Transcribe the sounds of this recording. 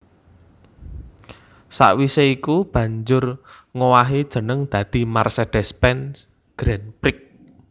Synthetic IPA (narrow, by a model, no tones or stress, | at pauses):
sa̰ʔwiseikub̥ä̤ɲd͡ʒʊr | ŋowaɦid̥ʒ̥ə̤nəŋd̪̥ä̤d̪̥i̤marsed̪̥ɛspɛns | ɡ̥ɾɛnpɾɪk̚